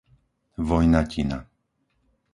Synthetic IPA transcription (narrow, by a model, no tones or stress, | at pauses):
ʋɔjnacʰina̰